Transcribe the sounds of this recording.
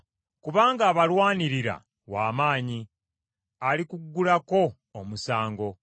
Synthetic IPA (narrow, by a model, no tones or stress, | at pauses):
kuβaːŋɡaːβalwaːniɾiɾa̰ | waːmaːɲi | alikuɡːulako̞ː | musaːŋɡo̞